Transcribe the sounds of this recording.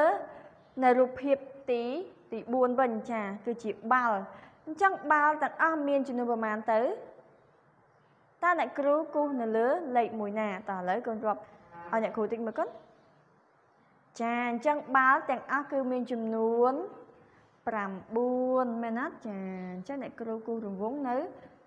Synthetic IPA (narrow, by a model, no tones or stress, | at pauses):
əː | nɨwruːpʰːiəp̚t̪iːt̪iːɓuənʋɨɲt͡ɕaːkɨːt͡ɕiəɓal | ɲt͡ɕəŋɓalt̪ɛ̆əŋʔɑhmiənt͡ɕɑmnuənpɑmaːnt̪ɨw | t̪aənɛ̆əʔkruːkʊːhnɨwləːleːk̚muəjnaːt̪ɑːʔələwkonrŏəp̚ʔaɔjnɛ̆əʔkʰuːt̪ɨk̚məːkoət̪̚ | t͡ɕaːɨɲt͡ɕəŋɓalt̪ɛ̆əŋʔɑhkɨːmiənt͡ɕɑmnuən | pramɓuənmɛːnat̪̚t͡ɕaːɲt͡ɕəŋnɛ̆əʔkruːkuːhrʊmʋʊəŋnɨw